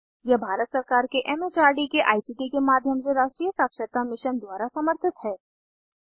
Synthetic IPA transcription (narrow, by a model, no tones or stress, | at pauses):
jɛbʱaːɾət̪sɐɾkaːɾkeʔɛːmet͡ʃaːɾɖikeʔa̰ːisiːʈikemaːd̪ʱjəms̬eɾaːʃʈɾijəsaːkʃət̪amɪʃənd̪ʊaːɾasɐməɾt̪ʰɪt̪ɦɛː